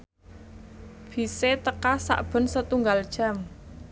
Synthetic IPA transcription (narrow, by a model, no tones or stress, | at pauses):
b̥i̤set̪əkasa̰ʔb̥ə̤nsət̪uŋɡald̥ʒ̥a̤m